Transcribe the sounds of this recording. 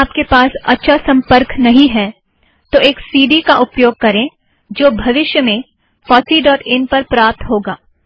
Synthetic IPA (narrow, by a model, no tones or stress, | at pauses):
aːp̚kepaːsɐ̰tːʃʰasɐ̃mpəɾknɐɦĩɦɛː | t̪oʔeːksiːɖikaʔʊpjoːɡ̚kɐɾẽ | d͡ʒoːbʱɐʋɪʃjəmẽ | fɔːsiɖɔːʈɪnpɐɾpɾaːp̚t̪ɦoːɡaː